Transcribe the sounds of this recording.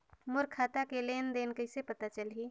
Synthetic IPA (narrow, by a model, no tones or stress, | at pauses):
mʊɾkʰat̪akelend̪eːnkəɪsepət̪at͡ʃəlɦi